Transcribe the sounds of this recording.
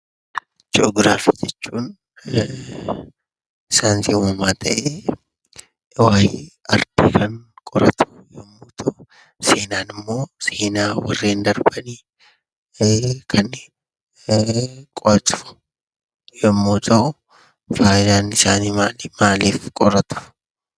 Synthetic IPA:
d͡ʒoɡɾaːfid͡ʒɛt͡ʃːuːn | ɪsaːnsiʊmɐmaːt̪ʰɐʔe | waːhiɐɾd̪̥iːkɐŋkʼɔɾɐt̪ʰʊ̥jɔmːoːt̪ʰɐʔʊ | se̞ːnaːnɪmːo̞ːseːnaːwɐ̰rːeːnd̪ɐɾbɐniː | kʰɐn | kʼɔɾɐt̪ʊ̥ʊ̥ | jɔmːoːt̪ʰɐʔʊ | faːjnaːnɪsaːniːmaːlimaːliːfkʼɔɾɐt̪ʊ̥

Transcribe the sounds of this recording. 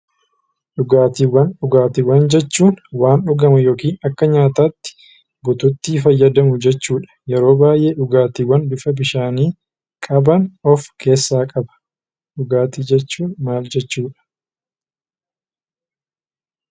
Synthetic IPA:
ɗʊɡaːt̪iːwːɐnɗʊɡaːt̪iwːɐnd͡ʒɛt͡ʃːuːnwaːnɗʊɡɐmɐjo̞ːkiːnɐkːɐɲaːt̪aːt̪ːɪ̥ | bʊt̪ʊt̪ːiːfɐjːɐd̪ɐmʊd͡ʒɛt͡ʃːuːᶑɐ̥jɛɾo̞ːbaːjʔe̞ːɗʊɡaːt̪iːwːɐnbɪfɐbɪʃaːniː | kʼɐbɐnɔfkʰe̞ːsːaːkʼɐbɐ̥ | ɗʊɡaːt̪iːd͡ʒɛt͡ʃːuːnmaːld͡ʒɛt͡ʃːuːᶑɐ̥

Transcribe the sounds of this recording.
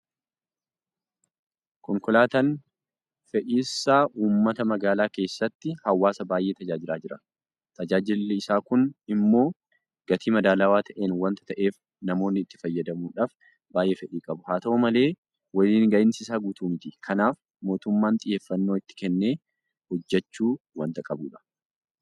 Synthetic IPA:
kɔŋkʊlaːt̪ɐn | fɛʔiːsːaːʔuːmːɐt̪ɐmɐɡaːlaːke̞ːsːɐt̪ːɪhɐwːaːsɐbaːjʔeːt̪ɐd͡ʒaːd͡ʒɪlaːd͡ʒɪɾɐ | t̪ɐd͡ʒaːd͡ʒɪlːɪsaːkʊnɪmːo̞ː | ɡ̥ɐt̪ʰiːmɐd̪aːlaːwaːt̪ʰɐʔeːnwɐnt̪ɐ̥t̪ɐʔe̞ːf | nɐmo̞ːnːɪːt̪ːɪ̥fɐjːɐd̪ɐmuːᶑaːf | baːjʔe̞ːfɛᶑiːkʼɐbʊhaːt̪ɐomɐle̞ː | wɐliːŋɡɐʔɪnsɪsaːɡuːt̪uːmɪt̪ikʰɐnaːf | mo̞ːt̪ʊmːaːnt̪ʼɪje̞ːfːɐnːoːɪt̪ːɪ̥kɛnːeː | hɔd͡ʒːɛt͡ʃːuː | wɐnt̪ɐkʼɐbṵːᶑɐ̥

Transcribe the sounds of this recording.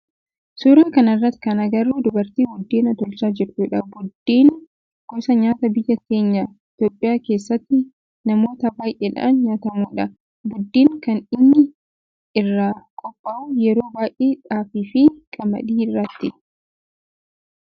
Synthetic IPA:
suːɾaːkɐnɐrːɐt̪ːɪ̥kɐnɐɡɐrːuːd̪ʊbɐɾt̪iːwʊd̪ːeːnɐt̪ɔlt͡ʃaːd͡ʒɛɾt͡ʃuːᶑɐbʊd̪ːiːn | ɡ̥ɔsɐɲaːt̪ɐbɪjːɐke̞ːɲːɐɪt̪oːpʼːɪjaːke̞ːsːɐt̪ːɪ | nɐmo̞ːt̪ɐbaːjʔɛᶑɐ̰ʔnɲaːt̪ɐmuːᶑɐ | bʊd̪ːiːŋkɐnɪnːɪ | ɪrːakʼɔpʼːaʔʊjɛɾo̞ːbaːjʔeːᶑaːfiːfɪkʼɐmɐ̰ᶑiːɪrːɐt̪ːɪ

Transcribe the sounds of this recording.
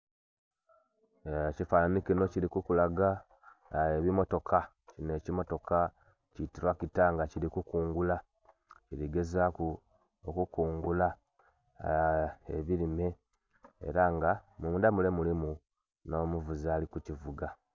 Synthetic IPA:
cifananikino̞ciɾikukulaɡa | eβimo̞to̞kʰa | cine̞cimo̞to̞ka | citiɾwakitaŋɡaciɾikukuːŋɡula | ciɾiɡe̞zaku | okukuːŋɡula | eβiɾime̞ | ḛɾaŋɡamuːndamulemulimu | no̞muvuzalikucivuɡa

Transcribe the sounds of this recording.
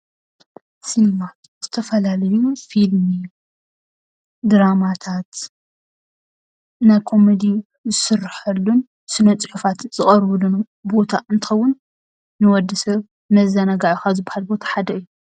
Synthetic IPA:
sɨnmat̪z̥ɨt̪ʰɐfɐlalɐjufilmi | d̪ɨɾamat̪ʰat̪ | najkʰo̞med̪i | zɨsɨrːħɐlːun | sɨnɐt͡sʼɨħufat̪z̥ɨχʼɐɾβɨlunu | bo̞t̪ʰaɨnt̪ʰɨ̥xɐwːʊnː | ɨwɔd̪ːɨsɐβ | mɐzɐnɐɡaʕuxazɨbahalbo̞t̪ʰḁħad̪ɐɨjːu

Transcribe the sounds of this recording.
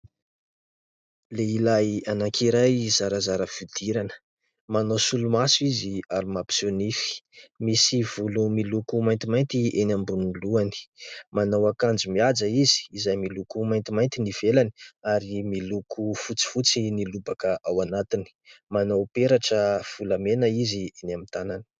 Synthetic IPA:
leilajanakʰiɾajzaɾazaɾəfid̪̥iɾanə̥ | manawsulumasuiziaɾimapi̥sonifi̥misiv̥ulumilukumajnt̪imajnt̪ienambuniluani̥manawakand͡zimiad͡zaizi̥ːzajmilukumajnt̪imajnt̪iniv̥elani̥aɾimilukʰufut͡si̥fut͡sinilubakəʔawanat̪ini̥manawpeɾaʈ͡ʂəv̥ulamenəizienamint̪anani̥

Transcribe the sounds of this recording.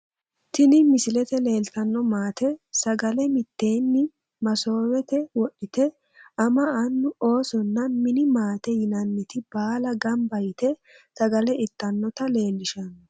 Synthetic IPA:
t̪ɪnɪmɪsɪlɛt̪ɛle̞ːlt̪ɐnːɔmaːt̪ʰɛsɐɡɐlɛmɪt̪ːe̞ːnːɪ | mɐso̞ːwɛt̪ɛwɔɗɪt̪ɛ | ʔɐmɐɐnːʊo̞ːsɔnːɐmɪnɪmaːt̪ɛjɪnɐnːɪt̪ɪbaːlɐɡɐmbɐjɪt̪ɛ | sɐɡɐlɛɪt̪ːɐnːɔt̪ɐle̞ːlːɪʃɐn

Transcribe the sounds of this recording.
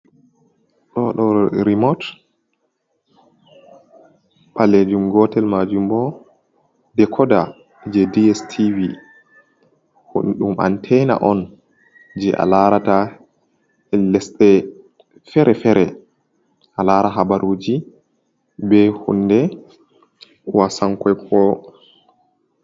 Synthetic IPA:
ɗɔɗɔɾimɔt | ɓaled͡ʒumɡɔtɛlmad͡ʒumbɔ | dɛkʰɔda | d͡ʒɛdiɛstʰivi | huɗumʔa̰ntʰɛna̰ʔɔn | d͡ʒɛʔa̰laɾata | ɛlɛsɗɛ | fɛɾɛfɛɾɛ | ʔalaːɾaɦabaɾʔoːd͡ʒi | bɛhṵnːdɛ | wasaŋkɔjkʰɔ

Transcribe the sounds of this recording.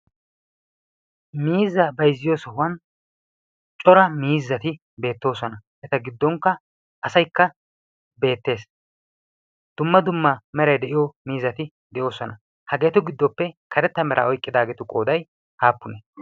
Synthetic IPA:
miːzːɐbɐjzːɪjoːsɔhʊwɐn | t͡ʃʼɔɾɐmiːzːɐt̪ɪ | be̞ːt̪ːo̞ːsɔnɐʔɛt̪ɐɡɪd̪ːɔŋkːɐ | ʔɐsɐjkːɐ | be̞ːt̪ːe̞ːs | d̪̥ʊmːɐd̪ʊmːɐmɛɾɐjd̪ɛʔɪjɔmiːzːɐt̪ɪ | d̪ɛʔo̞ːsɔnɐ | hɐɡe̞ːt̪ʊɡɪd̪ːɔpːɛkʰɐɾɛt̪ːɐmɛɾʔɐ̰ɔjkʼːɪd̪aːɡeːt̪ʊkʼo̞ːd̪ɐj | haːpːʊnɛ

